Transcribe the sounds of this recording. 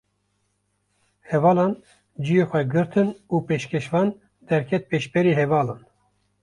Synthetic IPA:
hɛvɑːlɑːn | d͡ʒijexʷɛɡɨɾt̪ʰɨnuːpeːʃkʰʲɛʃvɑːn | d̪ɛɾkʰɛt̪̚peːʃbɛɾiːhɛvɑːlɑːn

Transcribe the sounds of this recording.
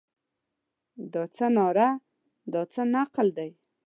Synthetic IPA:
d̪ɑt͡sənɑɾa | d̪ɑt͡sənaqld̪aj

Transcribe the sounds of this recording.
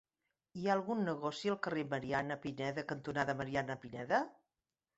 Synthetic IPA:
iaəlˠɣunːəɣɔsiəlˠkəreməɾianəpinɛðəkənt̪unaðəməɾianəpinɛðə

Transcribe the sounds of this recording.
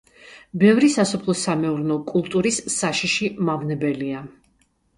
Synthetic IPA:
bɛvɾisasɔpʰlˠɔsamɛuɾnɔkʼulˠt̪ʼuɾisːaʃiʃimavnɛbɛlia

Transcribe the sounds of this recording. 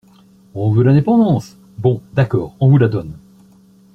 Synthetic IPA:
uɔ̃vølɛ̃d̪epɑ̃d̪ɑ̃s | bɔ̃d̪akɔːʁɔ̃vulad̪ɔn

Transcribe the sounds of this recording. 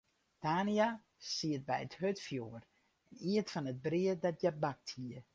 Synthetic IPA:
d̥aːnia | siət̚bɛjəthøtfjoər | ɛniətfɔnət̚briədɔtjabak̚thiə

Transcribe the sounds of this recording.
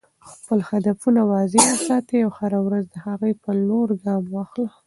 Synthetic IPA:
xpəlhad̪afunawɑzeəsɑt̪eawhaɾawɾazd̪əhaɣəjpəloɾɡɑmwɑxlə

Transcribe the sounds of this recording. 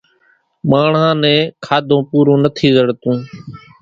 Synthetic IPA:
maːɳãːnɛ̃ːkʰaːd̪ʱõːpuːɾõːnət̪ʰiːzəɽt̪ũː

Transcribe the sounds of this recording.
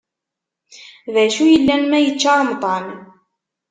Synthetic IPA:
væʃujəlːænmæjət͡ʃːɑɾˤəmt̪ˤɑn

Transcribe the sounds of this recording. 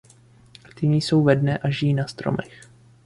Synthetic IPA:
t̪ɪɲiso̞wvɛdnɛʔaʒɪjiːnast̪ɾo̰mɛx

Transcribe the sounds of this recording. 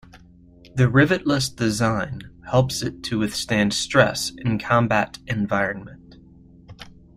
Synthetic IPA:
ðɨɹɪvɨʔˡləsd̥ɨzãɪ̃nhɛlˠpsɨtʰɨwɨθstæ̃nd̥stɹ̥ɛ̰sɨ̃nkʰɑ̃mbæɾɨ̃ɱvaɪɹɨ̃nmɨ̃nt

